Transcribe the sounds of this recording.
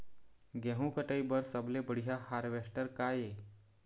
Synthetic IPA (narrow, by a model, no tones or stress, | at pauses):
ɡẽɦũkəʈəjbəɾsəblebəɽ̤ijahaɾʋeʂʈəɾkaje